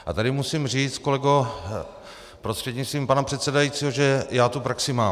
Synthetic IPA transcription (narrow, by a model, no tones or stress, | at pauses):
ʔat̪adɪmusimriːt͡s̪ko̞lɛɡo | pɾost̪r̥ɛdɲist̪viːmpanapr̝̥ɛt̪sɛdajiːt͡siːɦo̞ʒɛjaːt̪upɾaksɪmaː